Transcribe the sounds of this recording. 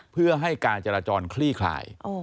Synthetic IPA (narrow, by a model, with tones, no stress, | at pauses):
pʰɯ˥˩ɐɦa˥˩jkaː˧nt͡ɕa˧ɾaː˧t͡ɕɔː˧nkʰliː˥˩kʰla̰ː˨˩jʔo˧